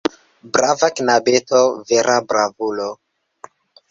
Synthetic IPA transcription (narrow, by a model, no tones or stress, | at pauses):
bɾavaknabetoveɾʔabɾavulo